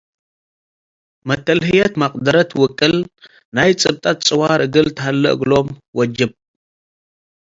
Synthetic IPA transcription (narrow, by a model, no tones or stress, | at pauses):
mɐt̪ːɐlhɨjɐt̪maqʼd̪ɐɾɐt̪wʊkʼːɨl | najt͡sʼɨb̚t̪ʼat̪̚t͡sʼɨwaɾɨɡɨlt̪ʰɐhalːɐ̰ʔɡlomwɔd͡ʒɨb̚